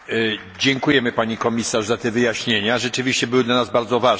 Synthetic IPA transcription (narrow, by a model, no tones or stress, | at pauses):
d͡ʑɛŋkujɛmɘpaɲikɔmʲisaʐzat̪ɛvɘjaɕɲeɲaʐɛt͡ʂɘvʲiɕt͡ɕɛbɘwɘd̪lanazbaɾd̪zɔvaʐ